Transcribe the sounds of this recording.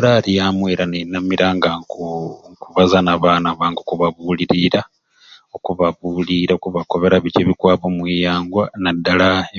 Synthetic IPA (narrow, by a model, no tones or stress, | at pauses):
lalijaːmweːɾanenːamiɾaŋɡaŋkuŋkuβazanaβaːnaβaːŋɡokuβaβuːliɾiɾa | o̞kuβaβuːliɾaokuβako̞βe̞ɾaβiceβikwaːpomwijaːŋɡwanadːala